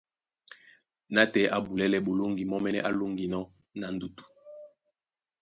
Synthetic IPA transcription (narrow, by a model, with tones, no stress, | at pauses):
na˦tɛ˨˦ʔa˨bu˨lɛ˦lɛ˦ɓo˨lo˦ŋɡi˨mɔ˦mɛ˦nɛ˦ʔa˦lo˦ŋɡi˨nɔ˦ | na˨n̩˨du˨tu̥˨